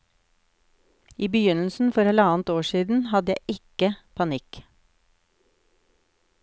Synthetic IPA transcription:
iːbəjʏnl̩sn̩fɔɾɛləɑːnt̪oːʃiːd̪n̩hɑd̪əjæɪʔɪkəpʰɑnɪk

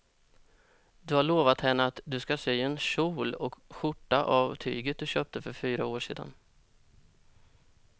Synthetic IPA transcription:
d̪ɵhaɭoːvat̪hɛnːəat̪d̪ɵskasyːɛnʂuːlɔkɧʊʈːaʔavt̪ʰy̰ːɡət̪̚d̪ɵɕøːp̚t̪əfœɾfyːɾaoːʂḛːd̪a̰n

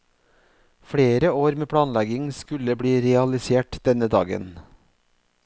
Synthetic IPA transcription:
fɽeːɾəoːɾmeːpʰɽɑːnlɛɡɪŋskʉləbɽiːɾɛɑlɪseːʈd̪̥ɛnəd̪ɑ̰ːɡə̰n

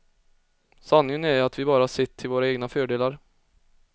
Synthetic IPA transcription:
sanːɪənæjat̪vɪbɑːɾasɪt̪ʰːɪlvoːɾaeːɡnafœːɖeːlaɾ

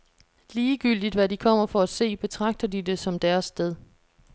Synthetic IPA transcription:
liːɡ̥yl̰d̥id̥ʋædikʰɒ̽m̰ɐfɒ̽æse̝̰ːb̥e̝t͡sʰʁɑ̈ɡ̥̚d̥ɐd̥ide̝sɒ̽md̥æɐsːd̥eðˠ

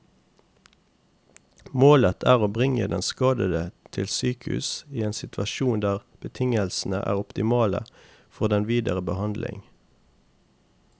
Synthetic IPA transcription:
moːlət̪ʰæːʁoːbʁɪŋəd̪ɛ̰nskɑːd̪əd̪ət̪ʰɪlsyːkʉ̰siːeːnsɪt̪ʰʋɑʃuːnd̪æːʁb̥ət̪ʰɪŋəlsn̩əʔæ̰ːʁʊpt̪ɪmɑːlə̰ | fɔʁd̪ɛnʋiːd̪əʁəbəhɑnd̪lʔɪ̰ŋ

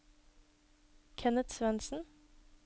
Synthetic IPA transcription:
kʰɛnət̪sʋɛnsn̩

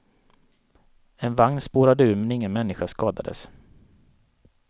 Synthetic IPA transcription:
ɛnvaŋnspoːɾad̪əʉːɾmɛnɪŋːənmɛnːɪɧaskɑːd̪a̰d̪ə̰s

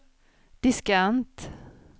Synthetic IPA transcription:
d̪̥ɪskant̪

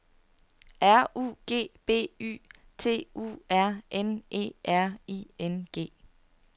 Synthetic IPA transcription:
ʔæɐ̰ʔṵːɡ̥e̝̰ːb̥e̝̰ːy̰ː | t͡sʰe̝̰ːṵːæɐ̰ʔenʔe̝̰ːʔæɐ̰ḭːenɡ̥e̝̰ː

